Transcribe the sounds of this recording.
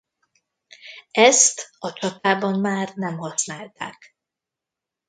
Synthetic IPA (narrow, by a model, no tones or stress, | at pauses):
ɛst̪ɒt͡ʃɒt̪aːbɒmmaːrnɛmhɒsnaːlt̪a̰ːk